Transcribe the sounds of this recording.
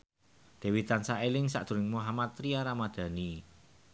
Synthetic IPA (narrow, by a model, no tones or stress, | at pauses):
d̪̥e̤wit̪ansaelɪŋsa̰ʔd̪̥ṳɾɪŋmuɦamat̪ɾiaɾamad̪̥a̤ni